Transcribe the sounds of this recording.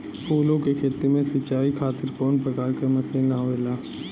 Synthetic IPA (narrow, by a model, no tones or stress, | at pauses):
koːlõkekʰeːt̪emẽsɐːt͡ʃaːikʰaːt̪ɪɾkɔːnpɾəkaːɾkemɐselnaɦoeːlaː